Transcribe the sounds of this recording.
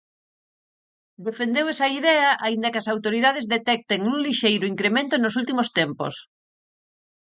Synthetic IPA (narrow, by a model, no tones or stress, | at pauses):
d̪efend̪ewɛsɐiðɛɐʔaind̪ɐkɪɐsawt̪oɾiðað̞ezðet̪ɛk̚t̪eŋũŋliʃejɾʊiŋkɾemẽnt̪ʊonosult̪imost̪empo̰s